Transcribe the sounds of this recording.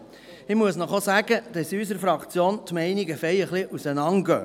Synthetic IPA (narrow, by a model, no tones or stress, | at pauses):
ɪmuəsnɔχosæɡ̥əd̪̥ɑsys̬əɾfɾɑkt͡sjoːnt̪mɛɪniɡəfɛjəχliʔusənɑŋɡ̥œː